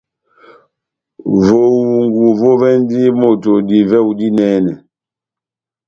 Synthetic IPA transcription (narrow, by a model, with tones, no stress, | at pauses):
vo˨u˨ŋɡu˨vo˦vɛ˦n˦di˦mo˦˨to˨di˨vɛ˦u˨di˦nɛː˦nɛ˨